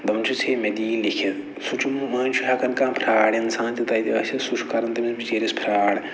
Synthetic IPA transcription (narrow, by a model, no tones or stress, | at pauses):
d̪ɐmt͡ʃʰut͡sʰeːmed̪iːlikʰi | sut͡ʃʰummɐːnʲt͡ʃʰuɦɐkɐnkãːpʰɾaːɽinsãːnt̪it̪ɐjt̪iɐsʰʲisuʃkɐɾɐnt̪ɐmisbit͡ʃeːɾispʰɾaːɽ